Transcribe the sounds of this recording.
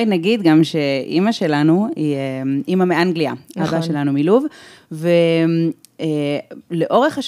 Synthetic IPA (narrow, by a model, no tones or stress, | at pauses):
jnaɡid̪ɡamʃe̞ʔḭmaʃe̞lanuiemʔimameʔanɡliaabaʃelanumiluv | vem | eleʔo̞ʁeχaʃ